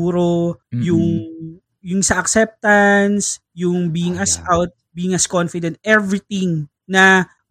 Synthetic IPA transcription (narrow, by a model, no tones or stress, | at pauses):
uːɾojʊŋ | jʊŋsɐʔɐksɛp̚t̪ɐns | jʊŋbiːɪŋɐsawt̪̚biːɪŋɐskonfɪd̪ɛ̃nt̪̚ʔɛvɾɪt̪ɪŋ | nɐ